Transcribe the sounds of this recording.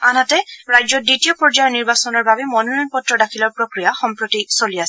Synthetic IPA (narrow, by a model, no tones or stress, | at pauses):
anatɛɹajzɔditijɔpɔɹd͡ʒajɔɹniɹbasɔnɔɹbabɛmɔnɔnɔjnpɔtɹɔdakʰilɔɹpɹokɹijaxɔmpɹotisoliasɛ